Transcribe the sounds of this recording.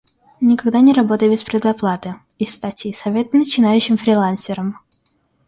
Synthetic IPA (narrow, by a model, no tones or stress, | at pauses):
nʲɪkɐɡd̪anʲɪɾɐbo̞t̪əjəbʲɪspʲɾʲɪd̪ɐplˠat̪ɨ | ɪst̪atʲisɐvʲe̞t̪ənət͡ɕɪnajʉɕːɪmfɾʲɪlˠansʲɪɾəm